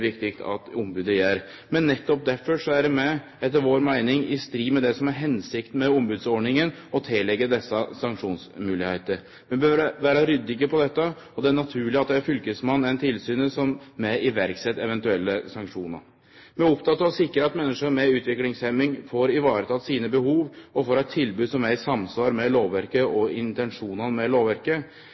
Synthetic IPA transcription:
ʋɪkt̪ɪkt̪ʰɑ̰t̪ʊmbʉːd̪əjæɾ | mɛnːɛt̪ːɔp̚d̪æɾfɔʂɔæɖɛmɛ | ɛt̪ːəɾʋoːɾmæɪnɪŋɪst̪ɾiːmɛd̪ɛsɔmæɾɦɛnsɪkt̪mɛʊmbʉːd̪sɔɖɳɪŋən | ɔt̪ʰɪlːɛɡːəd̪ɛsːɑsɑŋkʂuːnsmʉːlɪheɪt̪əɾ | ʋɛbøːɾʋæːɾɑɾʏd̪ːɪkəpʰɔd̪ɛt̪ːə | ɔd̪ɛæɳɑt̪ʰʉːɭɪɑt̪̚d̪ɛæɾfʏlkəsmɑnːɛnt̪ʰɪlsyːnəsɔmːɛɪʋæɾksɛt̪ːɛʋɛnt̪ʉɛlːəsɑŋkʂuːnə̰ɾ | mɛʊpt̪ɑt̪ːɑʋɔsɪkːəɾəɑt̪mɛnːəʂəmɛʉːt̪ʋɪklɪŋsɛmɪŋfoːɾɪʋɑːɾət̪ʰɑːt̪siːnəbəhuːʋɔfoːɾhɑɪt̪ʰːɪlbʉːsɔmæɪsɑmsʋɑːɾmɛloːʋʋæɾkəʔɔɪnt̪ɛnʂuːnɑnmɛloːʋæɾkə

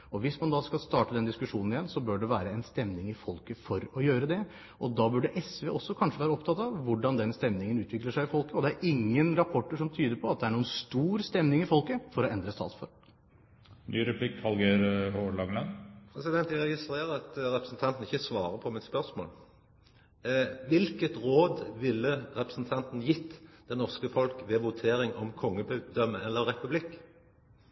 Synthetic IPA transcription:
ɔʋɪsmɑnd̪ɑːskɑlst̪ɑːʈəd̪ɛnd̪ɪskʉʂuːnn̩ɪjɛnːsɔbøːɖɛʋæːɾəɛnst̪ɛmnɪŋɪfɔlkəfɔɾɔjøːɾəd̪ɛ | ʔɔd̪ɑbʉɖəʔɛsʋeːʔɔsːɔkʰɑnʂəʋæːɾəɔpt̪ʰɑt̪ːɑʋːʊɖɑnd̪ɛnst̪ɛmnɪŋənʉːt̪ʋɪkləʂæɪɪfɔlkəɔd̪ɛæɾʔɪŋːənɾɑpʰɔʈːəʂɔmt̪ʰyːd̪əɾpʰɔɑt̪̚d̪ɛæɳuːənst̪uːɾst̪ɛmnɪŋɪfɔlkəfɔɾɔɛnd̪ɾəst̪ɑ̰ːt̪sfɔ̰ɾ | nʔyːɾɛpʰlɪkhɑlɡeɾhoɭɑŋlɑnpʰɾɛsɪd̪ɛnt̪jæɾɛɡɪst̪ɾeːɾəɑt̪ɾɛpɾəsn̩t̪ʰɑnt̪n̩ɪçəsʋɑːɾəpʰɔmɪnspœɾsmo̰ːl | ʋɪlkət̪ɾoːd̪ʋɪlːəɾɛpɾəsn̩t̪ʰɑnt̪n̩jɪt̪ːd̪̥ɛnɔʁskəfɔlkʋɛʋʊt̪ʰeːɾɪŋɔmkʰɔŋːəbd̪œmːəɛlːəɾɾɛpʉblɪkː

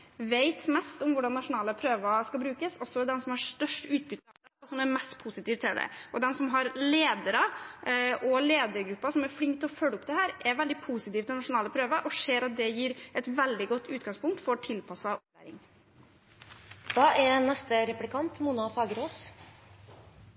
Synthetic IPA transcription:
ʋeɪt̪mɛst̪ɔmʋʊɖɑnːɑʂʊnɑːləpʰɾøːʋɑskɑbɾʉːkəsɔsːɔd̪ɛmsɔmhɑɾst̪œʂʈʉːt̪̚bʏt̪ | ɔsɔmæɾmɛst̪pʰusɪt̪iːʋt̪ʰɪld̪ɛ̰ʔɔd̪ɛmsɔmɦɑɾleːd̪əɾə | ʔɔleːd̪əɾɡɾʉpːɑsɔmɛɾfɽɪŋk̚t̪ɔfœləʊpːd̪ɛhæːɾʔɛɾʋɛld̪ɪpʰusɪt̪iːʋt̪ɪlnɑʂʊnɑːləpʰɾøːʋəʔɔʂeːɾɑt̪̚d̪ɛjiːɾɛt̪ʋɛld̪ɪɡɔt̪ːʉːt̪̚ɡɑŋspʊŋkt̪fɔɾʈ̪ʰɪlpʰɑsɑɔp̚læ̰ːɾɪ̰ŋ | d̪ɑːɛɾnɛst̪əɾɛplɪkʰɑnt̪munɑfɑːɡəɾoːs

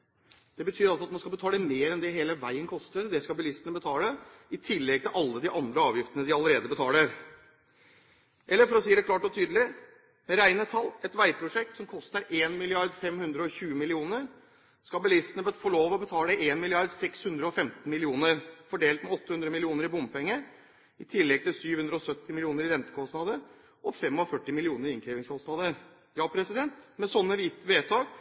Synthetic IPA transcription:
d̪̥ɛbət̪ʰyːɾɑlsɔɑt̪mɑnskɑbət̪ʰɑːləmeːɾɛnd̪ɛɦeːləʋæɪənkʰɔst̪əɾd̪ɛskɑbəlɪst̪ənəbət̪ʰɑːləɪt̪ʰɪlːɛɡ̚t̪ɪlʔɑlːəd̪ɪʔɑnd̪ɾəɑːʋjɪft̪ənəd̪ɪɑləɾeːd̪əbət̪ʰɑːləɾ | ʔɛlːəɾfɔɾɔsiːd̪æklɑːʈɔt̪ʰyːd̪əlɪ | mɛɾæɪnət̪ʰɑlːɛt̪ʋæɪpʰɾʊʂɛk̚t̪sɔmkʰɔst̪əɾeːnmɪlɪɑɾd̪fɛmhʉnd̪ɾəɔçʉːəmɪlɪuːnəɾ | skɑlbəlɪst̪ənəbəfɔɭoːʋɔbət̪ʰɑːləʔeːnmɪlɪɑɾd̪sɛkshʉnd̪ɾəɔfɛmt̪n̩mɪlɪuːnəɾfɔɖeːlt̪mɛɔt̪ːəhʉnd̪ɾəmɪlɪuːnəɾɪbʊmpɛŋːə | ɪt̪ʰɪlːɛɡ̚t̪ʰɪlsyːʋhʉnd̪ɾəɔsœt̪ːɪmɪlɪuːnəɾɪɾɛnt̪əkʰɔst̪nɑd̪ə | ʔɔfɛmɑfœʈːɪmɪlɪuːnəɾɪɪŋkʰɾɛːʋɪŋskʰɔst̪nɑːd̪əɾ | jɑːpʰɾɛsɪd̪ɛnt̪mɛsɔnːəʋiːt̪əʋeːt̪ʰɑːɡ

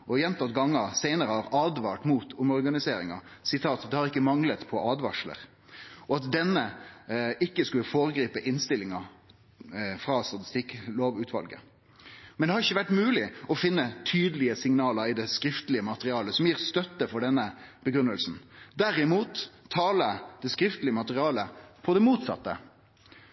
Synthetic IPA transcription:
ʔɔjɛnt̪ɑt̪ɡɑŋːəsæɪnəɾəhɑɾɑːd̪ʋɑːʈmuːt̪ʰʊmɔʁɡɑnɪseːɾɪ̰ŋɑ̰ | sɪt̪ʰɑːt̪d̪ɛhɑɾɪkːəmɑŋlət̪pʰɔʔɑːd̪ʋɑʂlə̰ɾ | ʔɔɑt̪d̪ɛnːə | ɪkːəskʉləfoːɾəɡɾiːpəʔɪnst̪ɪlːɪŋɑ | fɾɑst̪ɑt̪ɪ̥st̪ɪkːloːʋʉːt̪ʰʋɑ̰lɡə̰ | mɛnd̪ɛhɑɾɪçːəʋæʈmʉːlɪɔfɪnːət̪ʰyːd̪əlɪəsɪŋnɑːləɾɪd̪ɛskɾɪft̪lɪəmɑt̪əʁɪɑːləsɔmjiːʁst̪œt̪ːəfɔɖɛnːəb̥əɡɾʉnːəlsn̩d̪æɾɪmuːt̪ʰːɑːləd̪̥ɛskɾɪft̪lɪəmɑt̪əʁɪɑːləpʰɔd̪ɛmuːt̪sɑ̰t̪ːə̰

